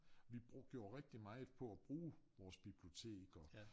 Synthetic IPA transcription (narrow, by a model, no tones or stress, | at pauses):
ʋi̥ɡ̥jo̝ːɐʁɛɡ̥̚d̥imɑ̈ɪpʰɒ̽æb̥ʁuːʋɒːsb̥ib̥lio̝t͡sʰe̝̰ːɡ̥ɒ